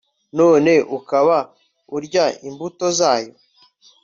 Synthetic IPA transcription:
no̞ːne̞ʔukaβa | uɾɟaimbuto̞zaːjo̞̰

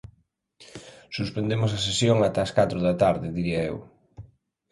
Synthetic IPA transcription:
suspend̪emʊs̬ɐs̬esjoŋat̪aɐskat̪ɾʊðɐt̪aɾðɪðiɾiɐew

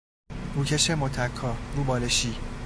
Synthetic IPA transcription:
buːcʰeʃemot̪ʰækʰːɒːɾuːbɒːleʃiː

